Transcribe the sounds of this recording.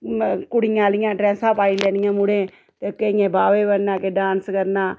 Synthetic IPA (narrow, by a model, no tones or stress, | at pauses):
kʊɽɪjãːlɪjãːɖɾɛ̃ːsãːpaːiːlɛːnɪjãːmʊɽẽː | t̪eːkːejẽːbaːʋeːbənãːkeɖãːnskəɾnaː